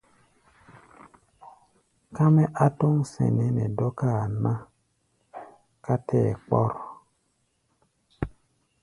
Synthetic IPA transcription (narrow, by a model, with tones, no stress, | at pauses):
ka˦mɛ˦ʔa˦tɔ˦ŋsɛ̰˨nɛ˨˦nɛ˨dɔ˦ka˦˨na˦ | ka˦tʰɛː˦˨k͡pɔ̰˦ɾ